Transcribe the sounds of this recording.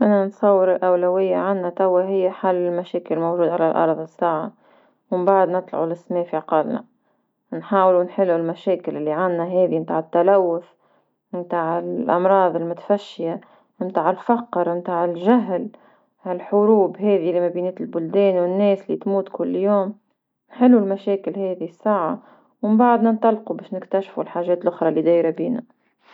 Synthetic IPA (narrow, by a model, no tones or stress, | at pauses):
ʔanansˤɑwːɪɾɪlʔawlawɪjːaʕanːat̪awːaɦɪjːaħalːɪlmaʃɛːkɪlmowʒuːd̪ʕalælʔɑ̰ɾˤðˤɪsːaːʕa | wɪmbaʕd̪nɪt̪ˤla̰ʕulɪsmeːfiʕɑqɑlna̰ | nħaːwlunħɪlːulmæʃɛːkɪlɪlːiʕanːaɦɛːðimt̪aːʕɪt̪ːalawːʊf | mt̪aːʕɪlʔɑ̰mɾˤɑːðˤɪlmʊt̪ḁfaʃːja | mt̪aːʕɪlfɑqːəɾˤmt̪aːʕɪlʒaɦl | hɪlħʊɾuːbɦɛːðilimæbiːniːt̪lbʊld̪ɛːnwɪnːɛːslːit̪muːt̪kʊlːjoːm | nħɪlːulmæʃɛːkɪlhɛːðisːaːʕa | wmbaʕd̪nant̪ˤɑlːqubɛːʃnɪkt̪æʃfulħaːʒɛːt̪lʔʊxɾˤɑlid̪æːjɾabiːna̰